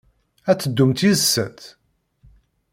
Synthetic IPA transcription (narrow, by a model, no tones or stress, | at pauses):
æt͡sːəd̪ːumt̪izəsːət̪